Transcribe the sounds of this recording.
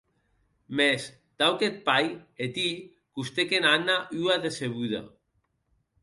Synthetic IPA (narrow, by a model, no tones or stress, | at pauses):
mes | t̪awket̪̚pajet̪i | kust̪ekenanaʔyaðeseβuða̰